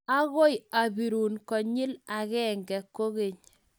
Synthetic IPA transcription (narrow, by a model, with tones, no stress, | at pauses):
a˦ɣo˦ja˨bi˨ɾu˨nkɔ˨ɲɪ˦la˨ɣɛ˦ŋɡɛ˨kːo˦ɣe˨ɲ